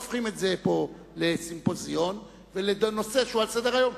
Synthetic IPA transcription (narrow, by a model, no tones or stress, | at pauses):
fχimetze̞po̞ | lesimpo̞zio̞n | veled̪no̞seʃualsed̪eʁajo̞m